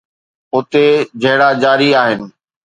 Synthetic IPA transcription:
ʊt̪ed͡ʑʱɐɦɪɽad͡ʑaːɾiaːɦɪnɪ̆

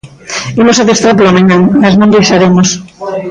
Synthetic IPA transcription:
imosaðest̪ɾaɾplomeɲaŋmaznõŋd̪ejʃaɾemos

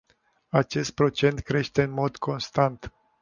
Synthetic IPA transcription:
at͡ʃe̞st̪̚pɾo̞t͡ʃe̞nt̪kɾe̞ʃt̪e̞ɨnmo̞d̪kʰo̞nst̪ant̪

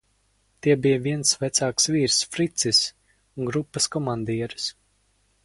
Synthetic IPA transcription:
t̪iɛbijəviɛnsvæt̪saːksviːɾsfɾit̪sis | unɡɾupːɐskɔmand̪iɛɾɨs

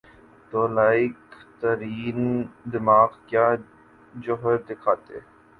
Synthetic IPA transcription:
t̪oːlaːɪkt̪əɾiːnd̪ɪmaːqkjaː | d͡ʒoɦəɾd̪ɪkʰaːt̪ḛ

